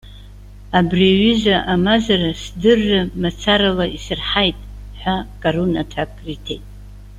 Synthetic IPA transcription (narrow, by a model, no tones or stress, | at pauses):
abriaɥizʷaʔamazarasdɨrːɨmat͡sʰaɾalaisɨrħajtʼ | ħʷakʼarunatʰakʰʼritʰejtʼ